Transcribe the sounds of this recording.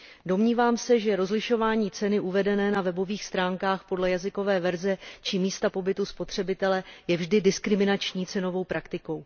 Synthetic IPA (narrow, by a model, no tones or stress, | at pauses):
do̞mɲiːvaːmsɛʒɛɾo̞zlɪʃo̞vaːɲiːt͡sɛnɪʔuvɛdɛnɛːnavɛbo̞viːxst̪ɾaːŋkaːxpo̞dlɛjazɪko̞vɛːvɛɾzɛt͡ʃɪmiːst̪apo̞bɪt̪uspo̞t̪r̝̥ɛbɪt̪ɛlɛjɛvʒdɪdɪskɾɪmɪnat͡ʃɲiːt͡sɛno̞vo̞wpɾakt̪ɪko̞w